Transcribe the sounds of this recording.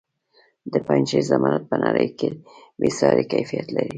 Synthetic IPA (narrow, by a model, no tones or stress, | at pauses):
d̪əpajnʃezamɑnat̪̚pənaɾəjkebesɾɑɾekajfijat̪laɾi